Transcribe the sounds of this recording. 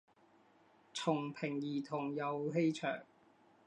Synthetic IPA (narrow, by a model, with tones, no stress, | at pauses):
t͡sʰʊ˨˩ŋpʰɪ˨˩ŋjiː˨˩t̪ʰʊ˨˩ŋjɐ˨˧wɦe˥jt͡ʃʰœ̰ː˨˩ŋ